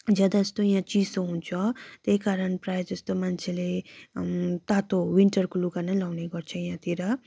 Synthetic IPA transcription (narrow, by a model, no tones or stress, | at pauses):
d͡ʒʌd̪aʌst̪ojãt͡ʃi̥soɦunt͡sʰɔt̪ekaɾʌnpɾajʌst̪omant͡ʃʰele | t̪at̪owiɳʈʌɾkulukanʌlawneɡʌɾt͡sʰʌjãt̪iɾʌ